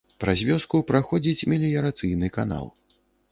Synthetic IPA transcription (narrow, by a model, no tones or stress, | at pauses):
pɾazʲvʲɔskupɾaxɔd͡zʲit͡sʲmʲilʲijɐɾat̪sɨjnɨkana̰lˠ